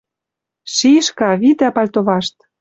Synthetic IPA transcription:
ʃiʃkɑβit̪æpɑlʲt̪oβɑʃt̪

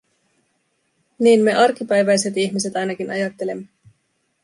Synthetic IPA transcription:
niːnme̞ʔɑrk̟ːipæjʋæjse̞t̪içmise̞t̪ɑjnɑk̟inɑ̰jɑt̪ːe̞le̞mːe

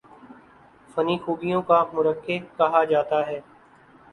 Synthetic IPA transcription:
fɐniːxuːbijõkamʊɾəkːekɐɦad͡ʒaːt̪aɦɛː

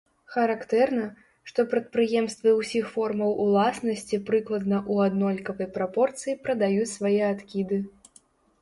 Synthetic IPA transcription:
xɐɾakt̪ɛrnɐ | ʂt̪ɔpɾɐt̪̚pɾɨjɛmst̪vɨwsʲixfɔrmɐwulˠasnɐsʲt͡sʲipɾɨklˠɐd̪nɐʔuad̪nɔlʲkɐvɐjpɾapɔrt̪sɨjipɾɐd̪ajut͡sʲsvajɛat̪kʲid̪ɨ

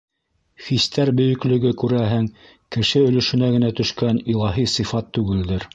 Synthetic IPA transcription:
χist̪æɾbɵ̆jɵ̆klɵ̆ɡɵkʉɾæɦɘŋ | kɘ̆ʃɘɵ̆lɵ̆ʃɵ̆næɡɘ̆næt̪ɵ̆ʃkænilˠɑɦisɤ̆fɑt̪ːʉɡɘ̆ld̪ɘɾ

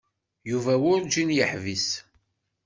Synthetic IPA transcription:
juvæwʊɾd͡ʒinjəħvis

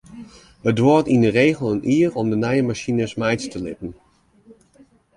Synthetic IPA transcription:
ədʋotindəreːɣəlˠənʔiːərɔmdənɛjəmaʃinəsmɛjtstəlɪ̰pən̩

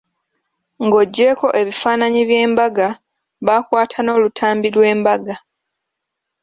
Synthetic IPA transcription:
ŋɡo̞ɟːe̞ːko̞ʔe̞βifaːnaɲiβje̞ːmbaɡa | βakwaːtʰano̞ːlutʰaːmbilwe̞ːmbaɡa

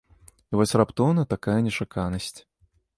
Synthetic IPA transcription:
ivɔsʲrapt̪ɔwnɐt̪akajɐnʲɛt͡ʂakʰanɐsʲt͡sʲ

